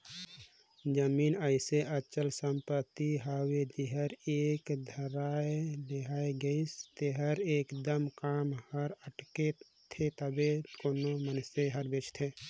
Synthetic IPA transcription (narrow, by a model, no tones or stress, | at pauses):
d͡ʒəmiːnəɪseʔət͡ʃəlsəmpət̪iɦawed͡ʒɪɦəɾeːkd̪ʱəɾaːeleɦaeɡəist̪eɦəɾeːkd̪əmkaːmhəɾəʈke | t̪ʰet̪əbekoːnomənseɦəɾbet͡ʃʰt̪ʰe